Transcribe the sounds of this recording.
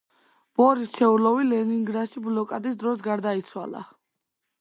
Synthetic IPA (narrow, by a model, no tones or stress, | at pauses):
b̥ɔɾist͡ʃʰɛulɔvilɛniŋɡɾaʃiblɔkʼad̪isd̪ɾɔsɡaɾd̪ait̪sʰwa̰lˠa̰